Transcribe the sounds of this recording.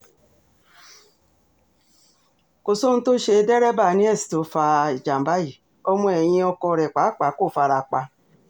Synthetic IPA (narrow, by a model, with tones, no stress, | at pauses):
ko˨so˦n̩˦to˦ʃe˧˦dɛ˦ɾɛ˦ba˦˨nĩ˦ɛ˦˨si̥˨to˨˦fa˧˨d͡ʒa˨m˨ba˦i˦˨ | ɔ˧mɔ̃˧ɛ˨j̃ĩ˧ɔ˧kɔ˧˨ɾɛ˨k͡pa˨˦k͡pa˨˦ko˦˨fa˧ɾa˧k͡pa˧